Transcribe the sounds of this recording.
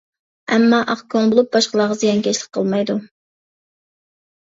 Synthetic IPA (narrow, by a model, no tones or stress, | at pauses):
ɛmːɑʔɑqkʰoŋbolˠup̚bɑʃqəlˠɑʁɑzijɑnkʲɛt͡ʃlˠɪk̚ʲqʰəlˠmɑjd̪u